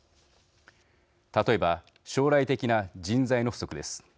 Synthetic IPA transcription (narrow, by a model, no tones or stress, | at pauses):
t̪at̪o̞e̞ba | ɕo̞ːɾait̪e̞kʲinad͡ʑĩnzaino̞ɸɯ̟̥so̞kɯ̟d̪e̞sɨ̥